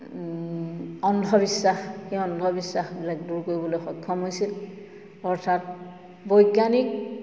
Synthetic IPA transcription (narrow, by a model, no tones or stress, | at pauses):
ɔndʱɔbisːaxxiɔndʱɔbisːaxbilak̚duɹkoɹibɔlojxɔkʰːɔmɦojsil | ɔɹtʰat | bɔjkjanik̚